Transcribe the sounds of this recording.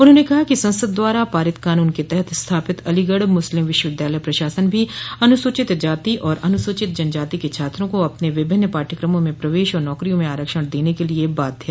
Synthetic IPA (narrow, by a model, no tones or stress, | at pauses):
ʊnɦõːnekɐɦakisɐ̃nsəd̪ːwaːɾapaːɾɪt̪kaːnuːnket̪ɛɦɛt̪ʰst̪ʰaːpɪt̪ɐlɪɡəɽmʊslɪmʋɪʃwəʋɪd̪jaːləjpɾɐʃaːsənbʱiɐnʊsʊt͡ʃɪt̪d͡ʒaːt̪iʔɔːɾɐnʊsʊt͡ʃɪt̪̚d͡ʒɐnd͡ʒaːt̪iket͡ʃʰaːt̪ɾõkoɐpneʋɪbʱɪnːəpaːʈʰəkɾəmõmẽpɾɐʋeːʃɔːɾnɔːkɾijõmẽaːɾəkʃəɽ̃d̪eːnekeliebaːt̪̚ːeː